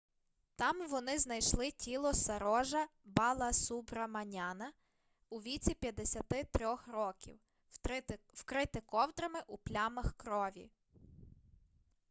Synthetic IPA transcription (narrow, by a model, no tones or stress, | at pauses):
t̪ɑmʋɔnɪznɐjʃlˠɪtʲilˠɔsɐɾɔʒɐbɑlˠɐsubɾɐmɐnʲɑnɐ | uʋʲit͡sʲipʲjɐd̪ːesʲɐt̪ɪt̪ɾʲɔxrɔkʲḭw | wkɾɪt̪ɪkɔwd̪ɾɐmɪʔuplʲamɐxkɾɔʋʲḭ